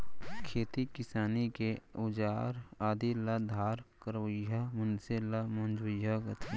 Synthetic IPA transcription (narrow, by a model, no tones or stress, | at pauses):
kʰeːt̪ikɪsaːnikeʊd͡ʒaːɾaːd̪ilad̪ʱaːɾkəɾojamʊnselamɐ̃nd͡ʒujaɡət̪ʰ